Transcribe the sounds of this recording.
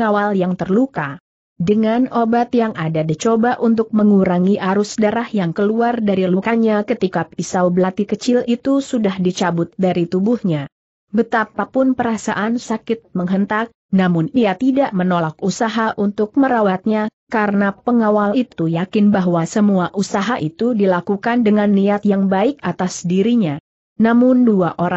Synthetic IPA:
ŋawaljaŋt̪ərluka | dəŋanobat̪jaŋadadit͡ʃobaʔunt̪ʊk̚məŋuɾaŋiʔaɾʊsdaɾahjaŋkəluardaɾilukaɲakət̪ikapisawbəlat̪ikət͡ʃɪlit̪usudahdit͡ʃabʊt̪̚daɾit̪ubuhɲa | bət̪apapʊnpəɾasa̰ʔansakɪt̪̚məŋɦənt̪ak̚ | namʊniat̪idaʔmənolakusaɦaʔunt̪ʊk̚məɾawat̪̚ɲakaɾənapəŋawalit̪ujakɪnbaɦwasəmuaʔusaɦaʔit̪udilakukandəŋanːiat̪̚jaŋbaɪk̚at̪asdiɾiɲa | namʊnduaʔoɾa

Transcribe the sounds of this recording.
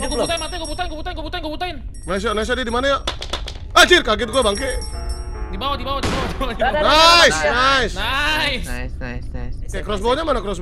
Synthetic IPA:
kbut̪ainmat̪aiŋkɔbut̪ainkubut̪ankobut̪ainkubut̪aɪn | nasanas̬aʔdiadimanaja | at͡ʃirkaɡɪt̪̚kuabaŋke | dibawadibawadibawad͡ʒanajsnasnais | kakɾɔs̬bɔɔɲamanakɾɔs̬b

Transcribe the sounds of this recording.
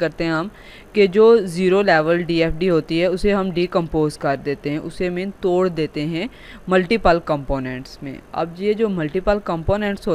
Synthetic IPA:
ɐɾt̪eɦɛ̃ɦɐm | ked͡ʒoːziːɾolɛːʋəlɖiːeːpʰɖiɦoːt̪iɦɛʊseɦɐmɖikɐ̃mpoːzkɐɾd̪eːt̪eɦɛ̃ʔʊsemẽːnt̪oːɽd̪eːt̪eɦɛ̃ | mɐlʈipəlkɐ̃mpoːnɛ̃ːɳʈsmḛ̃ːɐ̰b̚d͡ʒied͡ʒoːmɐlʈiːpəlkɐ̃mpoːnɛ̃ːɳʈsɦo

